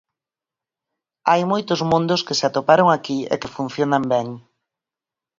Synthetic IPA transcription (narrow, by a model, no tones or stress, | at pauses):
ajmojt̪ʊzmũnd̪ʊskesat̪opaɾoŋakiḛkefun̟θjonambɛŋ